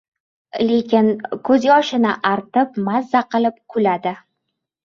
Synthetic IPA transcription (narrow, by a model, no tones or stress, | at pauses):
le̞kʲɪnkʰɵzjɒʃɪnɪʔaɾt̪ɪp̚mazːaqʰɨlˠɪp̚kʰʊlad̪ɪ